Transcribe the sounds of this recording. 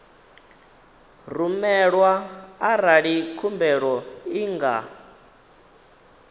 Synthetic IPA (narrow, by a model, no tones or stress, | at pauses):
rumɛɺwaːɾaɺikʰumbɛɺɔiŋɡa̰